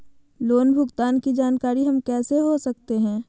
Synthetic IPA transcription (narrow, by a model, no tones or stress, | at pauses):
loːnbʱʊɡt̪aːnkid͡ʒaːnkaːɾiɦɐmkɛːseɦosɐkt̪eɦɛ̃ː